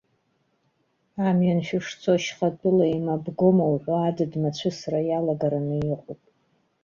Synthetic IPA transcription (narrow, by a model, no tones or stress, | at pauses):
amɥanʃᶣɪʂt͡sʰoʃχatʼʊlaimabɡomawħʷaadɨdmat͡ɕʷʰɨsarajalaɡaɾanɨjɪqʷʼʊpʼ